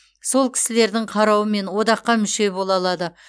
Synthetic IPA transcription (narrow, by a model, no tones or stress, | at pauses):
so̞lˠkʲʰɪ̥sɪle̞ɾd̪ɪɴqʰɑɾɑwəme̞nwo̞d̪ɑqːɑmʏʃe̞bo̞lˠɑlˠɑd̪ə